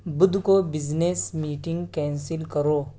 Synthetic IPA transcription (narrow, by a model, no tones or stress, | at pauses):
bʊd̪ʱkobɪd͡ʒneːsmiːʈɪ̃ŋɡkɛ̃ːnsɪlkəɾoː